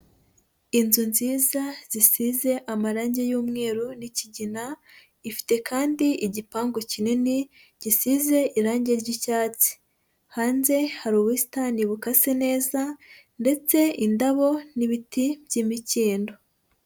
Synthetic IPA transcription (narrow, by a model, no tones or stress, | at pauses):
inzunziːzaz̥isize̞ʔamaɾaːɲɟe̞juːmŋe̞ːɾuniciɟina | ifi̥te̞kaːndiiɟipaːŋɡocinini | ɟ̥isize̞ʔiɾaːɲɟe̞ɾɟicaːt͡si̥ | haːnze̞haɾuːβwisi̥taniβukasine̞ːza | nde̞t͡se̞indaβo̞niβitibjimiciːndo̞